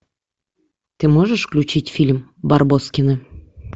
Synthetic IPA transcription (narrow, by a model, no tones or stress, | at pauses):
t̪ɨmoʒəʃklʲut͡ɕitʲfʲilʲmbɑrboskʲinɤ̆